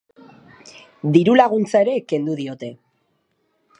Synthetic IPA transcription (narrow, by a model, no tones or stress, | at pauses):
d̪iɾulaɣ̞unt͡sae̞ɾe̞ke̞nd̪uðio̞t̪e̞